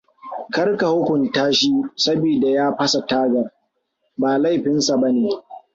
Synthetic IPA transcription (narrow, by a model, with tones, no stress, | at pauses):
kɐ˦rka˨hʊ˦kʷʊ˨ntaː˦ʃiː˦sɐ˦biː˨da˨jaː˦ɸɐ˦sa˨taː˦ɡɐ˨r | baː˨la˦˨jɸɪ˦nsa˨bɐ˦neː˨